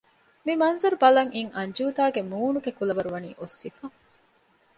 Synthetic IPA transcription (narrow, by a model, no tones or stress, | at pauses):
mimɐnzɐɾubɐlɐŋʔiŋʔɐɲd͡ʒuːd̪aːɡemuːnuɡekulɐʋɐɾuʋɐnḭːʔosːifɐ